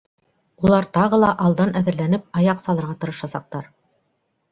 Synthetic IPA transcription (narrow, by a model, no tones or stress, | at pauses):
ulˠɑɾt̪ɑʁɤ̆lˠɑʔɑlˠd̪ɑnʔæðɘ̆ɾlænɘp̚ɑjɑqsɑlˠɤɾʁɑt̪ɤ̆ɾɤ̆ʃɑsɑq̚t̪ɑɾ